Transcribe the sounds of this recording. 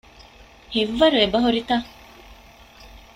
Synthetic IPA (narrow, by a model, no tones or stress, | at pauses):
hiʋːɐɾuebɐɦoɾit̪a